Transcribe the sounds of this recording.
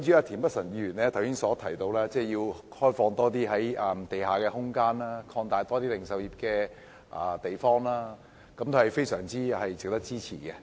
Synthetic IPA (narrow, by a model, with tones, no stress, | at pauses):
nt͡ʃy˨˥aː˧t̪ʰiː˨˩npɐ˥t̚sɐ˨˩nyː˨˩nɛː˥t̪ʰwsɪ˥ŋsɔː˨˥t̪ʰɐ˨˩jt̪o˧wlɛː˥t͡sɛː˥˩ji˧whɔː˥jfɔː˧ŋt̪ɔː˥t̪̬iː˥ɦɐ˨˥jɐː˨mt̪e˨jɦaː˨˩kɛː˧hʊ˥ŋkaː˥naː˥kʰɔː˧ŋt̪aː˨˧jt̪ɔː˥t̪iː˥lɪ˨ŋsɐ˨˧wji˨p̚kɛː˧ | ʔa̰ː˨˩t̪e˨jfɔː˥ŋlaː˥ | kɐ˨˧˥mt̪o˧hɐ˨˩jfe˥jsœː˨˩ŋt͡siː˥hɐ˨jt͡sɪ˨k̚t̪ɐ˥k̚t͡siː˥t͡sʰḭː˨˩kɛ˧